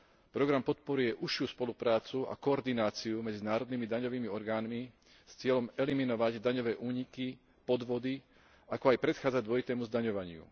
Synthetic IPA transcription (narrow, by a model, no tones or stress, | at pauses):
pɾɔɡɾampɔt̪pɔɾujɛʔuʃɪuspɔlupɾaːt͡sua̰kɔːɾd̪inaːt͡siumɛd͡zinaːɾɔd̪nimid̪aɲɔʋiːmiɔɾɡaːnmi | st͡sɪɛʎɔmɛliminɔʋaɟd̪aɲɔʋɛːʔuːɲiki | pɔd̪ʋɔd̪i | akɔajpɾɛt̪xaːd͡zaɟd̪ʊɔjit̪ɛːmuzd̪aɲɔʋaɲɪṵ